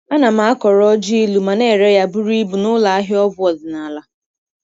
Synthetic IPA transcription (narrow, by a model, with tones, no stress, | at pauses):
a˦na˨m̩a˨˦kɔ˨ɾɔ˦d͡ʒi˦i˦lu˨ma˨ne˦˨ɾe˦ja˦bu˦ɾi˦bu˨nʊ˦la˨a˦ɦɪ˦ɔ˦bʊ˦ɔ˨zɪ˨na˨la˦